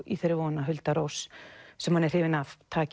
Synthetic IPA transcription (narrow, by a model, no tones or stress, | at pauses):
ḭθeɾːɪɾvɔːnaɦʏlt̪aɾowssɛmhanɛɾ̥hɪːvɪnavt̪ʰaːc